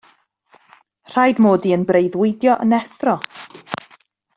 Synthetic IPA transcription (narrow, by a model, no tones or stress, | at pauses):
r̥ajdmoːdiənbrejðwɪdjɔʔənɛθrɔ